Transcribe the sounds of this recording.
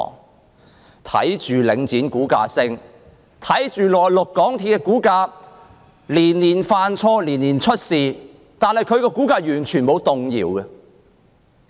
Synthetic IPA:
ŋ | t̪ʰɐ̰˨˥jt͡ʃyː˨lɪ˨˧ŋt͡siː˨˥nkuː˨˥ka̰ː˧sɪ˥ŋ | t̪ʰɐ˨˥jt͡ʃyː˨lɔː˨˩jlʊ˨kːɔː˨˥ŋt̪ʰiː˧˩kɛ˧˥kuː˨˥kaː˧ | liː˨˩nliː˨˩nfaː˧nt͡sʰɔː˧liː˨˩nːiː˨˩nt͡ʃʰɵ˥t̚siː˨ | t̪aː˨nhɐ˨jkʰɵ˨˧ɥkɔː˧kuː˨˥kaː˧jyː˨˩nt͡ʃʰyː˨˩nmo˨˧wt̪ʊ˨ŋjḭː˨wɡɛ˧

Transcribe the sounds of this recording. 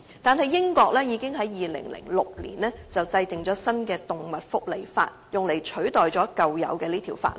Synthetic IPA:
t̪aː˨nɦɐ˨jːɪ˥ŋkɔː˧k̚lɛː˥jiː˨˧kɪ˥ŋɦɐ˨˥jːiː˨lɪ̰˨˩ŋlɪ̰˨˩ŋlʊ˨k̚lḭː˨˩nlɛː˥t͡sɐ˨wt͡sɐ˧jt͡sɪ˨ŋt͡sɔː˨˥sɐ˥nkɛː˧t̪ʊ˨ŋmɐ˨t̚fʊ˥k̚le˨˩jfa̰ː˧t̚jʊ˨ŋle˨˩jt͡ʃʰɵ˨˥ɥt̪ɔː˨jt͡sɔː˨˥kɐ˨wjɐ̰˨˥wkɛː˧liː˥t̪ʰiː˨˩wfa̰ː˧t̚

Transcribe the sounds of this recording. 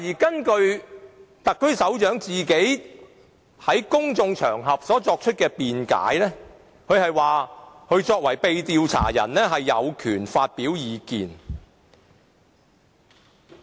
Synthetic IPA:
jiː˨˩kɐ˥nkɵ˧ɥ | t̪ɐ˨kʰːɵ˥ɥsɐ˨˥wt͡ʃœː˨˥ŋt͡siː˨ke˨˥j | hɐ˨˥jkʊ˥ŋt͡sʊ˧ŋt͡ʃʰœː˨˩ŋɦɐ˨p̚sɔː˨˥t͡sɔː˧k̚t͡ʃʰɵ˥t̚kɛː˧piː˨nka̰ː˨˥jlɛː˥ | kʰɵ˨˧ɥhɐ˨jwaː˨kʰɵ˨˧ɥt͡ʃɔː˧k̚wɐ˨˩jpe˨˧jt̪iː˧wt͡sʰa̰ː˨˩jɐ̰˨˩nlɛː˥ɦɐ˨jːɐ˨˧wkʰyː˨˩nfaː˧t̚piː˨˥wjiː˨˧kiː˨n

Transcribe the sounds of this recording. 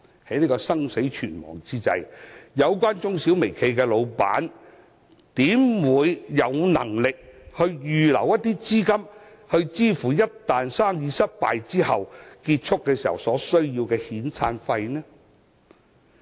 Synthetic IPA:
hɐ˨˥jniː˥kɔː˧sɐ˥ŋse˨˥jt͡ʃʰyː˨˩nmɔ̰ː˨˩ŋt͡siː˥t͡sɐ̰˧jjɐ˨˧wkʷaː˥nt͡sʊ˥ŋsi˨˥wme˨˩jkʰe˧jkɛː˧lo˨˧wpa̰ː˨˥n | t̪iː˨˥mwuː˨˧jːɐ˨˧wnɐ̰˨˩ŋlɪ˨k̚hɵ˧ɥjyː˨lɐ̰˨˩wjɐ˥t̚t̪iː˥t͡siː˥kɐ˥m | hɵ˧ɥt͡siː˥fuː˨˩jɐ˥tt̪aː˨nsaː˥ŋjiː˧sɐ˥t̚pa̰ː˨jt͡siː˥hɐ˨wkiː˧t̚t͡ʃʰʊ˥kːɛː˧siː˨˩hɐ˨wsɔː˨˥sɵ˥ɥjiː˧wkɛː˧hiː˨˥nsʰaː˧nfɐ˧jnɛː˥

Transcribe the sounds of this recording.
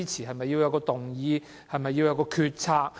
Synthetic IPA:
i˥t͡sʰiː˨˩ɦɐ˨jmɐ˨jːi˧wjɐ˧wkɔː˧t̪ʊ˨ŋjiː˨˧ | hɐ˨jmɐ˨jːi˧wjɐ˨˧wkɔː˧kʰyː˧t̚t͡sʰaː˧k̚

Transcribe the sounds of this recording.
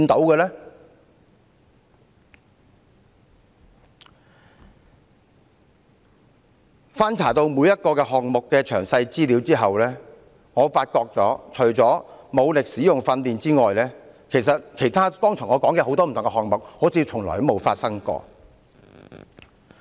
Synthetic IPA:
nt̪o˨˥wkɛ˧lɛː˥ | faː˥nt͡sʰaː˨˩t̪o˧wmuː˨˧jɐ˥t̚kɔː˧kɛː˧ɦɔː˨ŋ̚mʊ˨kːɛː˧t͡ʃʰœː˨˩ŋsɐ˧jt͡siː˥li˨˧wt͡siː˥ɦɐ˨wlɛː˥ | ŋɔː˨˧faː˧t̚kɔː˧k̚t͡sɔ̰ː˨˥t͡ʃʰɵ˨˩ɥt͡sɔː˨˥mo˨˧wlɪ˨k̚siː˨˥jʊ˨˩ŋfɐ˧nliː˨nt͡siː˥ŋɔː˨jlɛː˥ | kʰe˨˩js̬ɐ˨t̚kʰe˨˩jt̪ʰaː˥kɔː˥ŋt͡sʰʊ˨˩ŋɔː˨˧kɔː˨˥ŋkɛ˧ho˨˧wt̪ɔː˥m̩ʰ˨˩ʊ˨ŋkɛ˧hɔː˨k̚mʊ˨k̚ho˨˥t͡sʰiː˧t͡sʰʊ˨˩ŋlɔ̰ː˨˩jmo˨˧wfa̰ː˧t̚sɐ˥ŋkɔ̰ː˧

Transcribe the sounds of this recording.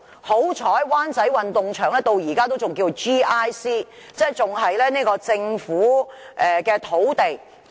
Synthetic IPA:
ho˨˥wt͡sʰɔː˨˥jwaː˥nt͡sɐ˨˥jwɐ˨nt̪ʊ˨ŋt͡ʃʰœː˨˩ŋlɛː˥t̪o˧wjiː˨˩kaː˥t̪o˥wt͡sʊ˨ŋkiː˧t͡so˨˩t͡ʃiː˥aː˥jsiː˥ | t͡sɛː˥t͡sʊ˨ŋɦɐ˨jlɛː˥niː˥kɔː˧t͡sɪ˧ŋfuː˨˥ʔɛ˨kɛː˧t̪ʰo˨˥wt̪e˨j

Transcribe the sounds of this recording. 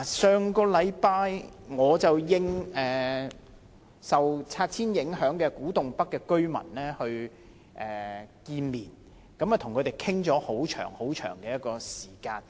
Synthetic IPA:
a˨˩sœː˨˧ŋkɔː˧lɐ˨˧jpaː˧jŋɔː˨˧t͡sɐ˨wjɪ˧ŋɛː˨ | sɐ˨wt͡sʰaː˧t̚t͡sʰiː˥njɪ˨˥ŋhœː˨˥ŋkɛː˧kuː˨˥t̪ʊ˨˩ŋpɐ˥kːɛː˧kɵ˥ɥmɐ̰˨˩nlɛː˥hɵ˧ɥ | ʔɛː˨kiː˧nmiː˨˩n | kɐ˨˥mɐ˨t̪ʰʊ˨˩ŋkʰɵ˨˧t̪e˨˩jkʰɪ˥ŋt͡sɔː˨˥ho˨˥wt͡ʃʰœ̰ː˨˩ŋho˨˥wt͡ʃʰœ̰ː˨˩ŋkɛː˧jɐ˥t̚kɔː˧siː˨˩kaː˧n

